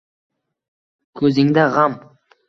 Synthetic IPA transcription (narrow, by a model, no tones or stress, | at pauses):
kʲʰɵzɪŋd̪æʁɑm